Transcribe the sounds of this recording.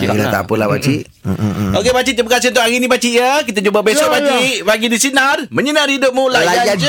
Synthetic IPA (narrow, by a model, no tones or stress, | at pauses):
ila̰t̪a̰pəla̰hba̰t͡ʃiʔ | okebat͡ʃiʔt̪əbəkasɪhunt̪ʊkaɣinĩpat͡ʃiʔjəkit̪ad͡ʒubabesɔpat͡ʃiʔbaɡidisinarmə̃ɲənãrhidʊp̚mulalad͡ʒad͡ʒd͡ʒ